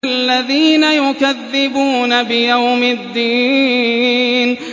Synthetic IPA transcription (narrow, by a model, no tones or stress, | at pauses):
lːaðiːnajʊkaðːɪbuːnabɪjawmɪd̪ːiː | n